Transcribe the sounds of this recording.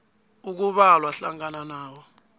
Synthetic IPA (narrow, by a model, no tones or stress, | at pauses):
uk̬uɓalwaɬaŋ̬ʼananaːwɔ